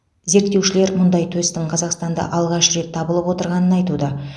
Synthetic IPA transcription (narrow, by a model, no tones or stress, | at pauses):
ze̞ɾkt̪ːe̞wʃɪle̞ɾmʊnd̪ɑjt̪ʰɵst̪ɪɴqʰɑzɑqst̪ɑnd̪ɑ̰ʔɑlˠʁɑʃre̞t̪ʰːɑbəlˠəpwo̞t̪əɾʁɑnənɑjt̪ud̪ə